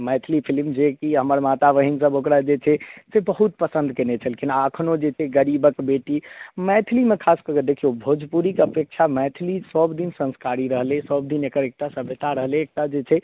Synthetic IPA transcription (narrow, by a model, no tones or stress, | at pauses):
mɛt̪ʰlipʰilmd͡ʒekiɦəməɾmat̪aʋəɦinsəbokɾad͡ʒet͡ʃʰɛsebəɦut̪̚pəsə̃nd̪ʱkenet͡ʃʰəlekinaəkʰnod͡ʒet͡ʃʰɛɡəɾibəkbeʈimɛt̪ʰilimekʰaskəkəd̪ekʰijobʱod͡ʒpuɾikeəpek̚t͡ʃʰamɛt̪ʰilisəbd̪insə̃nskaɾiɾəɦlesəb̚d̪inekəɾek̚ʈasəbʱjət̪ʰaɾəɦleːk̚ʈad͡ʒet͡ʃʰɛ